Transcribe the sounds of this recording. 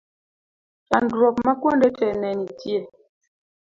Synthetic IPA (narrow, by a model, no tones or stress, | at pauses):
t͡ʃandɾɔp̚makondɛtɛnɛnitie